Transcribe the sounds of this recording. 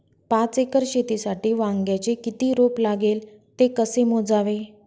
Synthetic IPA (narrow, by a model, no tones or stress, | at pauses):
pãt͡sekəɾɕet̪isaʈiːʋãŋɡjat͡ɕekit̪iːɾoplaɡel | t̪ekəsemod͡zaʋe